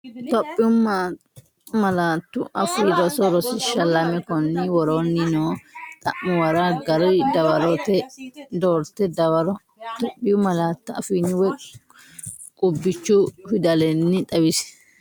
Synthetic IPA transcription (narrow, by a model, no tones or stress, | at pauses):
t̪ɔpʼːɪʊma | mɐlaːt̪ːʊ̰ʔɐfidɔsɔɾɔsɪʃɐlɐmɛkɔnːɪwɔɾoːnːɪnoːt̪ʼɐ̰ʔːʊwɐɾaɡɐɾɪd̪ɐwɐɾɔt̪ɛd̪oːɾt̪ːɛd̪ɐwɐɾɔ | t̪ɔpʼːɪjʊmɐlaːt̪ːʊɐfiːnɪwɛ | kʼʊbːɪt͡ʃːʊfɪd̪ɐlɛnːɪᶑ̪ʼɐbɪsɛ̥